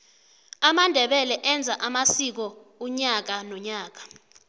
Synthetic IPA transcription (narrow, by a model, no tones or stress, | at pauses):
amandʱɛɓɛlɛʔɛnd͡zʱaʔamasik̬ɔuɲak̬anɔɲaːk̬ḁ